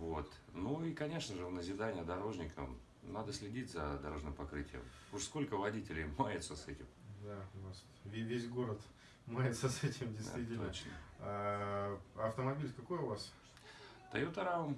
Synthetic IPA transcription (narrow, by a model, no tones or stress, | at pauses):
vot̪nuikɐnʲe̞ʂnəʐɨvnəzʲɪd̪anʲɪjəd̪ɐɾo̞ʐnʲɪkə̰m | nad̪əsʲlʲɪdʲitʲzɐd̪ɐɾo̞ʐnɨmpɐkɾɨtʲɪjə̰m | ʊʂsko̞lʲkəvɐdʲitʲɪlʲɪjmajɪt̪səsɛtʲɪmd̪anas | vʲvʲesʲɡo̞ɾət̪ | majɪt̪səsɛtʲɪmdʲɪst̪vʲitʲɪtlonə̰t͡ɕnə̰a | ɐft̪əmɐbʲilʲkɐkojʊvas | t̪ɐ̰jot̪ɐɾam